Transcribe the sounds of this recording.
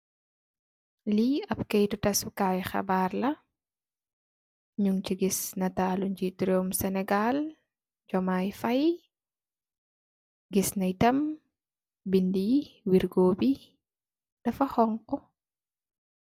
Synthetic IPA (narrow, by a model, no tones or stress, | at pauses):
liɐp̚kɛjtutɐsukaːwɛxɐ̰barlɐ | ɲuŋt͡ʃiɡisnɐtaːluɲd͡ʒitɾomsɛnɛɡal | d͡ʒɔmajfɐj | ɡisnɐjtɐm | bindiwiɾɡoːbi | d̥ɐfɐxɔŋkɔ